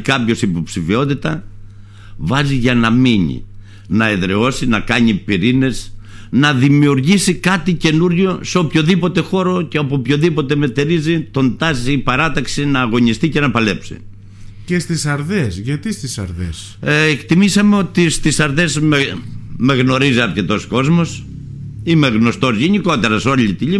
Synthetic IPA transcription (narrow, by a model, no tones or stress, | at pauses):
kɐpço̞sipo̞psifio̞t̪̬it̪ɐ | vɐziʝɐnɐmiɲḭ | nɐeðɾe̞o̞sinɐkɐɲipiɾine̞znɐðimiuɾʝisikɐt̪ice̞nuɾʝo̞seo̞pço̞ðipot̪e̞xo̞ɾo̞ceopoopço̞ðipo̞t̪e̞me̞t̪eɾizit̪o̞nd̪ɐziːpɐɾɐt̪ɐksinɐːɣo̞ɲist̪ice̞nɐpɐle̞psḭ | cest̪isɐɾðesʝɐt̪ist̪isɐ̰ɾðḛs | ekt̪imisɐme̞o̞t̪ist̪isɐɾðezmeme̞ɣno̞ɾiziɐɾce̞t̪o̞sko̞zmo̞s | imeɣno̞st̪o̞zʝe̞ɲiko̞t̪e̞ɾɐso̞ʎit̪iʎi